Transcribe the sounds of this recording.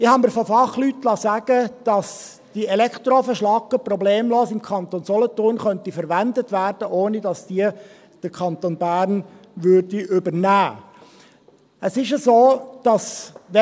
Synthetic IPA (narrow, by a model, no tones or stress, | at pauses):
ɪhɑməɾfofɑχlytlɑsæːɡ̥əd̥ɑs | d̥iɛlɛkχt̪ɾofəʃlɑkːəprɔbleːmloːsɪmkʰɑnt̪onsɔlɔtʊːrnχœntifəɾʋændətʋæːɾd̥əʔoːnidɑsd̥iə | d̥əɾkʰɑnt̪oːnbæːɾn | ʋʏɾdiʔʏbəɾnæː | əsɪʃəzoːd̥ɑsʋɛ